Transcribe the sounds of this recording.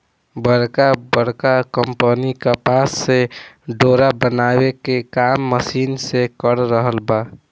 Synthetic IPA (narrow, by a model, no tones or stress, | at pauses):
bəɾkabəɾkakəmpənikəpasːe | ɖoɾabənabekekamːəsinsekəɾɾəɦəlba